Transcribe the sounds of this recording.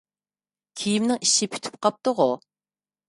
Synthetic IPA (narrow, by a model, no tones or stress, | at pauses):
kʲʰijimnɪŋiʃːɪpʰy̥t̪ʰy̥p̚qɑp̚t̪ʊʁʊ